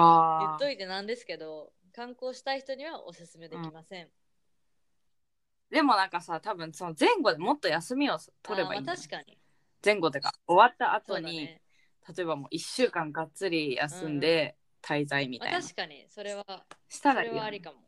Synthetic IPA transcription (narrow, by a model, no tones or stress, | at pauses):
aːjt̪ːo̞it̪e̞nãnd̪e̞sɨ̥ke̞d̪o̞ | kãŋko̞ːɕi̥t̪aiçi̥t̪oɲ̟iβaʔosɨsɨme̞d̪ẽɴimasẽɴ | d̪e̞mo̞nãŋkasat̪abɯ̟̃ñso̞nozẽ̞ŋɡo̞d̪e̞mo̞t̪ːo̞jasɨmʲio̞t̪ʰo̞ɾe̞ba̰ḭai̥kaɲi | zẽ̞ŋɡo̞t̪ːeka̰o̞βat̪ːaʔat̪o̞ɲ̟i | t̪ʰat̪o̞e̞bamo̞̰ːʔiɕːɨːkãŋɡat͡sɨɾʲija̰sɨ̃nd̪e̞ | t̪ʰaizaimʲḭtːma̰aɕi̥kaɲisoɾeβaɕi̥t̪aɾaiɾikamo